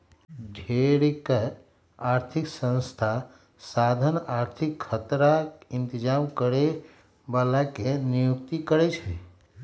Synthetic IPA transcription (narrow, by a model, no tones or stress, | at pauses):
ɖʱeɽik | aːɾt̪ʰiksə̃nst̪ʰa | sad̪ʱənaːɾt̪ʰikʰːət̪ɾaɪnt̪ɪd͡ʒamkəɾe | balakenijuk̚t̪ikəɾɛt͡ʃʰɛ